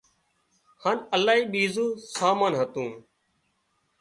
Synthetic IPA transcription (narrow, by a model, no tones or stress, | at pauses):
haːnəlaːɦiːɓiːzũːsaːmaːnɦət̪ũː